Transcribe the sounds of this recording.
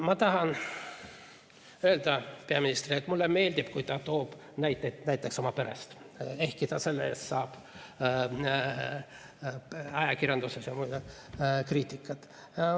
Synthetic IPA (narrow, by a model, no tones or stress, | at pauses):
mɑt̪ɑɦɑn | øeld̪ɑpeɑminist̪riet̪mulːeme̞ːlʲd̪ib̥kujt̪ɑt̪o̞ːb̥ | næjt̪ːenæjt̪ːˑekso̞mɑpeɾḛst̪ | e̞hkit̪ɑse̞lːḛssɑːb̥ | ɑjɑkirʲjɑnd̪usesjɑmujd̪ekriːt̪ːˑikːˑɑt̪